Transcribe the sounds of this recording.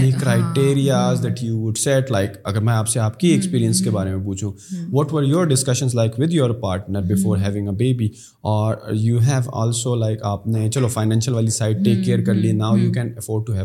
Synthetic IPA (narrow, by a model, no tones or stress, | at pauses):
nikɾaɪʈeːɾiazd̪ɛʈjuːʋʊɖsɛʈlaɪkɐɡəɾmɛ̃aːpseaːp̚kiɛkspiːɾiə̃nskebaːɾemẽp̬uːt͡ʃʰũʋɔʈʋəɾjɔːɾɖɪskɐʃə̃nzlaɪkʋɪd̪joɾpaːɾʈnəɾbɪfoːɾɦɛʋɪ̃ŋəbeːbi | ɔːɾjuːɦɛʋɔ̰ːlsolaɪkʰaːpnet͡ʃɐlofaɪnɛ̃ːnʃəlʋaːlisaɪʈ̚ʈeːkːeːɾkɐɾlinaːʊjuːkɛ̃ːnəfɔːɾɖ̚ʈːuɦɛ